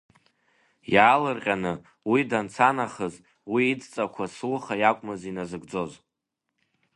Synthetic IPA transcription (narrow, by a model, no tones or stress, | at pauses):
jaːlɨrqʲʼanɨ | widant͡sʰanaχəz | wiːd͡zt͡sʼakʷʰaslχajakʷʼmɨzinazɨɡd͡zo̞z